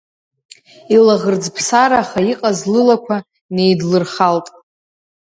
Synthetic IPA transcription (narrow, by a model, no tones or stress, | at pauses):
ilaʁərd͡zpʰsaɾaːχaiqʼazlɨlakʷʰa | ne̞jdlɨrχaltʼ